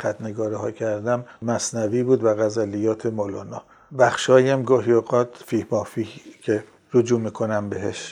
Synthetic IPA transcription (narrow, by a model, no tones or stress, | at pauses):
xæt̪ʰneɡɒːɾihɒ̰ːcʰæɾd̪æmmæsnæviːbuːd̪væɣæzælijɒːt̪ʰemolɑːnɒː | bæxʃɒːjæmɡɒːɦioɣɒːt̪ʰfiːhmɒːfiːcʰe | ɾod͡ʒuːmiːkʰonæmbeɦeʃ